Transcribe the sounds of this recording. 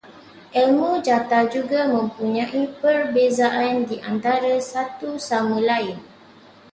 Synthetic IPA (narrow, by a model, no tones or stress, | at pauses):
ʔɛlmũd͡ʒat̪ad͡ʒuɡamə̃mpuɲãʔipərbezaʔandiʔant̪aɾasat̪usamə̃laɪn